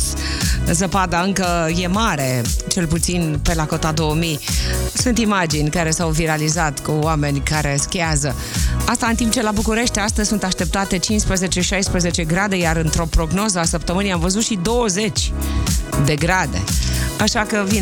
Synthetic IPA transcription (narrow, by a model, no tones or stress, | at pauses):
zəpad̪aɨŋkəje̞maɾe̞t͡ʃe̞lput̪sinpe̞lako̞t̪ad̪o̞womisunt̪imad͡ʒinʲkaɾe̞sawviɾalizat̪kuwame̞nʲkaɾe̞skʲeazə | ast̪aɨnt̪imp̚t͡ʃe̞labukuɾe̞ʃt̪ʲast̪əzʲsunt̪aʃt̪e̞p̚t̪at̪e̞t͡ʃinspɾəzet͡ʃeʃajspɾəze̞t͡ʃe̞ɡɾad̪e̞jaɾɨnt̪ɾo̞pɾo̞ɡno̞zəasəp̚t̪əmɨnijamvəzut̪ʃid̪o̞wəze̞t͡ʃʲ | d̪e̞ɡɾad̪e̞̰aʃakəvin